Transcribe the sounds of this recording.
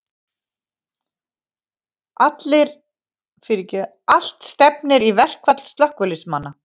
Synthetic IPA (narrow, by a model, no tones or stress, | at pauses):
at̪lɪɾ | fɪɾɪcʏ | al̥t̪st̪ɛpnɪɾivɛr̥kvat̪lst̪lœhkvʏlɪsmanːa